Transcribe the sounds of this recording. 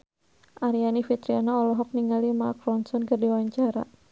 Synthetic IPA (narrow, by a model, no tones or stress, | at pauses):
ʔaɾianifit̪ɾianaɔlɔɦɔk̚niŋɡalimakɾɔnsɔnkərdiwaɲt͡ʃaɾa̰